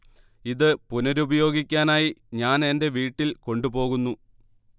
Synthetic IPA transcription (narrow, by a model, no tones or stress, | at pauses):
iðɨpunɐɾubɐjo̞ːɡikʲːaːnaːjiɲaːne̞nde̞ʋiːʈːilko̞ɳɖupo̞ːɣunːu